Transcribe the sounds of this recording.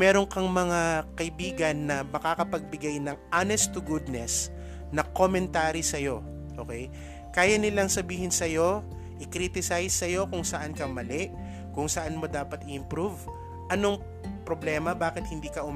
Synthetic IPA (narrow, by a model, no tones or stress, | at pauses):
mɛːɾo̞ŋkɐŋmɐŋakɐʔɪbiːɡɐnːɐmɐkakɐpɐɡ̚bɪɡajnɐŋʔanɛst̪ʊɡud̪̚nɛs | nɐkomɛnt̪aːɾisɐjo̞ | ʔo̰ːkɛj | kaːjɐnɪlɐŋsɐbiːhɪnsɐjo̞ | ʔɪkɾit̪ɪsajsːɐjo̞kʊŋsɐʔankɐmɐlɛʔ | kʊŋsɐʔanmo̞d̪aːpɐt̪ɪʔɪmpɾuv | ʔɐno̞ŋ | pɾoblɛːmɐbaːkɪt̪̚hɪnd̪iːkɐʔʊm